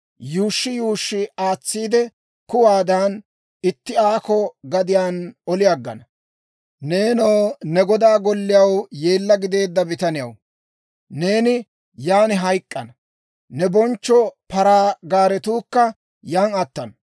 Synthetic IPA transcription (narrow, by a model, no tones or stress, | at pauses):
juːʃːɪjuːʃːɪaːt͡sːiːd̪ɛ | kʊwaːd̪aːn | ɪt̪ːɪaːkɔɡɐd̪ɪjaːnɔlɪjaɡːɐ̰nɐ | neːnɔwnɛɡɔd̪aːɡɔlːɪjɐwjeːlːɐɡɪd̪e̞ːd̪ːɐbɪt̪ɐnɪjɐ̰w | ne̞ːnɪ | jaːnɪɦɐjkʼːɐnɐ | nɛbɔnt͡ʃːɔpɐɾaːɡaːɾɛt̪uːkːɐ | jaːnɐt̪ːɐnɐ